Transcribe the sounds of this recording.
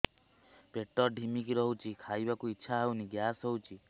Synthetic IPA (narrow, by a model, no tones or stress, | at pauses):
peʈɔɾɖʱimik̬iɾɔɦut͡ʃʰikʰajbakuitːʃʰaɦawniɡjasɦɔwt͡ʃʰi